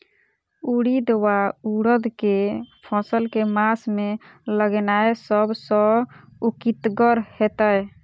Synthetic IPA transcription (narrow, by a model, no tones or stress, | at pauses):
uɽid̪wauɽəd̪ʱkepʰɔsəlkemasme | ləɡenaesəbsə̃ | ukit̪ɡəɾhet̪əj